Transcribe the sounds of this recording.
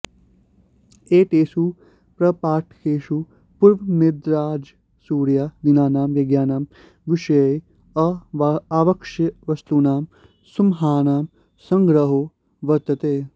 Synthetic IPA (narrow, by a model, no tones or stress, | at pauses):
eːʈeːsuː | pɾɐpaːʈʰkʰeːʃu | puɾʋnid̪ɾaːd͡ʒ | suːɾjaːd̪inaːnaːmʋɐɡjaːnaːm | ʋiʃɐjj | ɐaːʋɐkʃɐʋɐst̪uːnaːm | sumɦaːnaːm | sɐŋɡɾɐɦoː | ʋɐt̪ːɐt̪eː